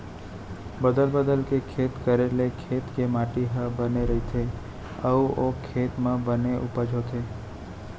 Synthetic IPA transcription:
bəd̪əlbəd̪əlkekʰet̪kəɾelekʰet̪kemaʈiɦə̃bəneɾəɦit̪ʰe | əuʔokʰːet̪mãbəneʔupəd͡ʒot̪ʰe

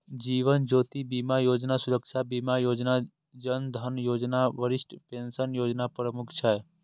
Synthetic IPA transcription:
d͡ʒiʋənd͡ʒot̪ibimajoːd͡ʒnasʊɾəkʃabimajoːd͡ʒna | d͡ʒənd̪ʱənjoːd͡ʒnaʋəɾɪsʈpensənjoːd͡ʒnapɾəmʊkʰt͡ʃʰɛ

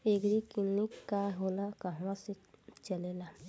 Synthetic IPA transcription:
eːɡɾikilnikkːaɦoːlakəɦʋãse | t͡ʃəlela

